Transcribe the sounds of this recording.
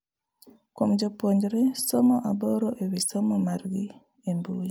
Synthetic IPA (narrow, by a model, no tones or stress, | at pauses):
komd͡ʒopoɲd͡ʒɾesomɔʔaboɾoʔewisomomaɾɡi | embuji